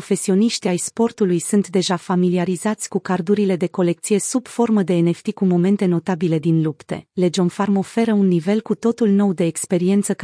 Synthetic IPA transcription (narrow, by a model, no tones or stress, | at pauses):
ofe̞sio̞niʃt̪iajspo̞rt̪ulujsunt̪d̪e̞ʒafamiliaɾizat̪sʲkukard̪uɾile̞d̪e̞ko̞le̞k̚t̪sije̞sub̥fo̞rməd̪e̞ːne̞ft̪ikumo̞me̞nt̪e̞no̞t̪abile̞d̪inlupt̪e̞̰le̞d͡ʒo̞nfarmo̞fe̞ɾəunːive̞lkut̪o̞t̪ulno̞wd̪e̞ːkspe̞ɾie̞nt̪sək